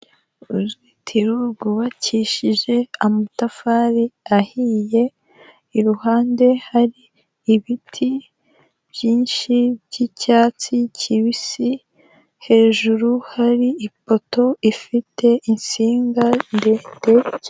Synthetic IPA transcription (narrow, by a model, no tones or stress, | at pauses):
uzitʰiɾuɡuwaciʃiʒe̞amutafaɾiahije̞ː | ɾuhaːnde̞haɾiː | βitʰi | bjiːnʃibɟicaːt͡sicʰiβisi | he̞ːʒuɾuhaɾiipo̞to̞ifitʰe̞ʔinsiːŋɡandete